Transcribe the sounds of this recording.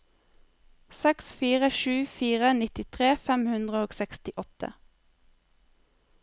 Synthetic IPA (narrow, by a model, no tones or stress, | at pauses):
sɛksfiːʁəʃʉːfiːʁənɪt̪ɪt̪ʰʁeːfɛmhʉnd̪ʁəoːɡsɛkst̪ɪʔɔt̪ə̰